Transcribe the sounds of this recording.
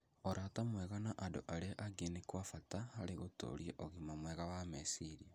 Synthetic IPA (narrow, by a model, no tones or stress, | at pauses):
oɾʔatamweɣanaʔado̰ʔaɾeʔaɡenikwafatahaleɣoto̰ɾjeʔoɣimamweɣawamesiɾia